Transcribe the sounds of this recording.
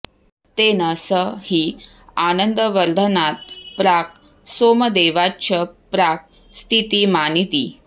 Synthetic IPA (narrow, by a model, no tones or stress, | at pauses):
t̪enəsəhiː | anənd̪əʋəɾd̪ʱənat̪̚pɾak̚ | soməd̪eʋat͡ɕʰəpɾak̚ | st̪ʰit̪iːmanit̪iː